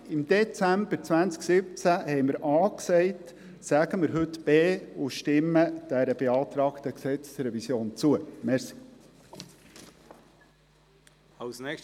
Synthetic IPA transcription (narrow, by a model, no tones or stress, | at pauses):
ɪmd̪ɛt͡sæmb̥əɾt͡svænt͡sksɪp̚t͡sæhɛɪməɾʔɑːksɛɪt | sæɡəməɾɦɵtb̥eːʊʃtɪmːəd̥æɾəb̥eɑːt̪ɾɑːkt̪əksɛt͡sə̥sɾɛvisjoːnt͡suəmɛɾsi̥ | alsnɛk